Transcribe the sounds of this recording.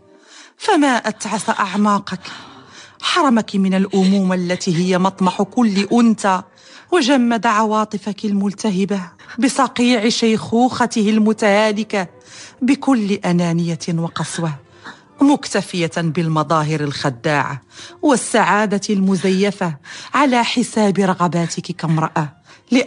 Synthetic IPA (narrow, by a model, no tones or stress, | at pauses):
famaʔat̪ʕasaʔɑʕmɑːqɑk | ħɑɾˤɑmakmɪnalʔʊmuːmalːat̪iːɦɪjːamɑt̪ˤmɑħkʊlːʔʊnt̪a | waʒamːad̪ʕɑwɑːt̪ˤɨfakalmʊlt̪aɦɪbabɪsˤɑqiːʕɪʃajxuːxɑt̪ɪhɪlmʊt̪ahaːlɪka | bɪkʊlːɪʔanaːnɪjawɑqɑsˤwah | mʊkt̪afɪjabɪlmɑd̪ˤɑːɦɪɾalxad̪ːaːʕa̰wasːaʕaːd̪almʊzajːafaʕalaːħɪsaːbɪɾˤɑɣɑbaːt̪ɪkkamɾˤɑʔa | lɪʔ